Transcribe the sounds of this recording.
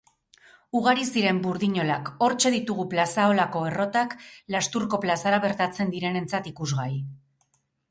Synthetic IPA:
uɣ̞aɾisiɾe̞mbuɾðiɲo̞lako̞ɾt͡ʃe̞ðit̪uɣuplasao̞lako̞e̞ro̞t̪aklast̪uɾko̞plasaɾaβ̞e̞ɾt̪at͡se̞nd̪iɾe̞ne̞nt͡sat̪ikuzɣaj

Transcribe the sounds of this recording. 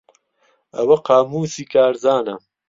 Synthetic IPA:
ɐwɐqaːmuːsikaːɾzaːnɐ̰

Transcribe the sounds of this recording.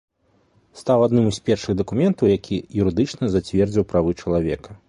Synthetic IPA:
st̪awad̪nɨmɨsʲpʲɛrʂɨɣd̪ɐkumʲɛnt̪ɐwjakʲʰijuɾɨd̪ɨt͡ʂnɐzat͡sʲvʲɛrd͡zʲiwpɾavɨt͡ʂɐlˠavʲɛkɐ

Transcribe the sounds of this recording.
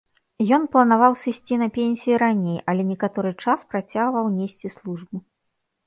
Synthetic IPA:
jɔnplˠɐnavawsɨsʲt͡sʲinɐpʲenʲsʲijiɾanʲejʔɐlʲɛnʲɛkat̪ɔɾɨt͡ʂaspɾat͡sʲaɣvɐwnʲesʲt͡sʲislˠuʐbɨ

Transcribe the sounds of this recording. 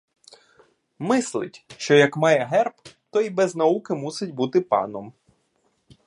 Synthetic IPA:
mɪslˠɪ̰tʲʃt͡ʃɔjɐkmɑjɛɦɛrpt̪ɔibɛznɐukɪmusɪtʲbut̪ɪpɑ̰nɔm

